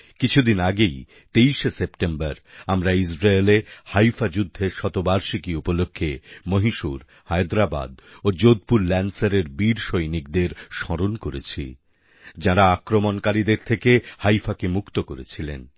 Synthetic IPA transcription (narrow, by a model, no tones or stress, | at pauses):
kit͡ɕʰud̪inaɡej | t̪ejʃesepʈembaɾamɾaisɾaelehajfad͡ʑud̪ʱːeʃɔt̪obaɾʃikiupolokʰːemoɦiʃuɾ | hajd̪ɾaba̰d̪od͡ʑod̪̚puɾlɛnsaɾeɾbiɾʃojnik̚d̪eɾʃɔɾonkoɾet͡ɕʰḭ | d͡ʑaɾaakɾomonkaɾid̪eɾt̪ʰekehajfakemukt̪okoɾet͡ɕʰilḛn